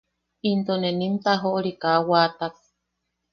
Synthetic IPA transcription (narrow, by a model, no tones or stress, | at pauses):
int̪onenimt̪aɦoʔoɾikawaːt̪ak